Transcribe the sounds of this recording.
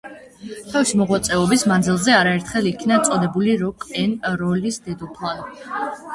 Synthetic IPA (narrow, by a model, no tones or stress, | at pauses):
t̪ʰafʃimɔʁwat̪sʼɛɔbismand̪zilˠzɛaɾaɛɾt̪ʰχɛlˠikʰnat̪sʼɔd̪ɛbuliɾɔkʼɛnɾɔlisd̪ɛd̪upʰlˠan